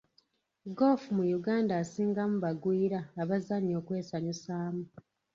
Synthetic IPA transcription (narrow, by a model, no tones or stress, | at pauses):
ɡo̞ːfumujuɡaːndaːsiːŋɡamuβaɡwiːɾaːβazaɲo̞ːkwe̞ːsaɲusaːmu